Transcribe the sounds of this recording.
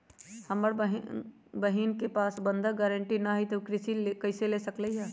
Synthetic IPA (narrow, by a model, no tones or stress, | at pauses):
həməɾɦ | bəɦinkepasbənd̪ʱəɡɛɾəɳʈinəɦit̪okɾisilekəɪselesəkləɦa